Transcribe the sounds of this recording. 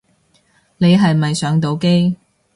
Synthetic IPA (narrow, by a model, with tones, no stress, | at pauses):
ne˨˧jɦɐ˨jmɐ˨jsœː˨˥ŋt̪̬o˨˧wke˥j